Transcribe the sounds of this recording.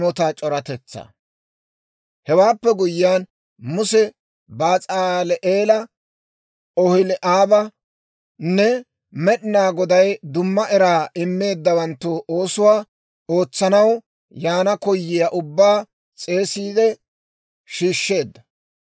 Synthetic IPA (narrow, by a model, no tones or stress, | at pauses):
mɔt̪at͡ʃʼɔɾɐt̪ɛt͡sːɐ̰ | hɛwaːpːɛɡʊjɪːaːn | mʊsɛ | baːt͡sʼaːlɛʔeːlɐ | ɔhɪlɛʔaːbɐ | nːɛ | mɛɗɪnaːɡɔd̪ɐjd̪ʊmːɐʔɛɾaːɪmːe̞ːd̪ːɐwɐnt̪ːʊʔo̞ːsʊwaː | o̞ːt͡sːɐnɐw | jaːnɐkɔjːɪjaʔʊbːaː | t͡sʼe̞ːsiːd̪ɛ | ʃiːʃːe̞ːd̪ːɐ